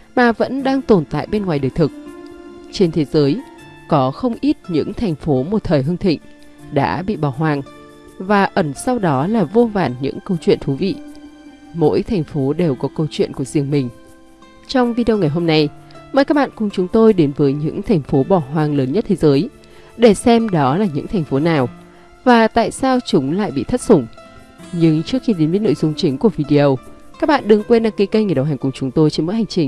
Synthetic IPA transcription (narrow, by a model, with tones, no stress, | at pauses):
maː˨˩və̰˧˥nɗaː˧ŋt̪o˨˩nt̪a̰ː˧˨jɓe˧nŋwaː˨˩jɗəː˨˩jt̪ʰɨ˨˩k̚t͡ɕe˧nt̪ʰe˨˦zəː˨˦j | kɔ˨˦xə˧wŋ͡mʔi˦˥t̚ɲɨ̰˧˥ŋt̪ʰɛ˨˩jŋ̟fo˨˦mo˨˩t̚t̪ʰəː˨˩jɦɨ˧ŋt̪ʰḭ̈˧˨ŋ̟ | ɗa̰ː˧˥ɓḭ˧˨ɓɔ˧˩ɦwaː˨˩ŋ | vaː˨˩ʔə˨˧˩nsa˧wɗɔ˨˦laː˨˩vo˧va̰ː˧˩nɲɨ̰˧˥ŋkə˧wt͡ɕwḭ˧˨ənt̪ʰu˨˦vḭ˧˨ | mo̰˧˥jt̪ʰɛ˨˩jŋ̟fo˨˦ɗe˨˩wkɔ˨˦kə˧wt͡ɕwḭ˧˨ənku˧˩zi˧˩əŋmï˨˩ŋ̟ | t͡ɕɔ˧wŋ͡mvi˧ɗi˧ə˧wŋa˨˩jɦo˧mna˧jməː˧˩jkaː˦˥k̚ɓa̰ː˧˨kʊ˨˩ŋ͡mt͡ɕʊ˨˦ŋ͡mt̪o˧jɗe˨˦nvəː˨˦jɲɨ̰˧˥ŋt̪ʰɛ˨˩ŋ̟fo˨˦ɓɔ˧˩ɦwaː˨˩ŋləː˨˦nɲə˦˥t̚t̪ʰe˨˦zəː˨˦j | ɗe˧˩sɛ˧mɗɔ˨˦laː˨˩ɲɨ̰˧˥ŋt̪ʰɛ˨˩jŋ̟fo˨˦naː˨˩w | vaː˨˩t̪a̰ː˧˨jsaː˧wt͡ɕʊ˨˦ŋ͡mla̰ː˧˨jɓḭ˧˨t̪ʰə˦˥t̚sʊ˧˩ŋ͡m | ɲɨ˧ŋt͡ɕɨ˦˥ək̚xi˧ɗe˨˦nmi˧˦no̰˧˨jzʊ˧ŋ͡mt͡ɕï˨˦ŋ̟ku˧˩əvi˧ɗi˧ʔə˧wka˦˥k̚ɓa̰ː˧˨nɗɨ˨˧˩ŋkwe˧nɗaː˧ŋki˨˦kə˧jŋəː˨˩ɗə˨˩wɦa˨˩ŋ̟kʊ˨˩ŋ͡mt͡ɕʊ˨˦ŋ͡mt̪o˧jt͡ɕnmo̰˧˥ha˨˩ŋ̟t͡ɕï˨˩ŋ̟